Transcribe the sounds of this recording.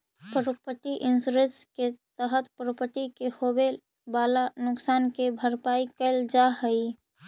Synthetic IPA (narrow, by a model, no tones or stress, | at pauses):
pɾəpəʈ̪iʔɪnsɾesket̪əɦət̪pɾəpəʈ̪ikehobe | balanʊksaːnkebʱəɾpaikəɪld͡ʒaɦəi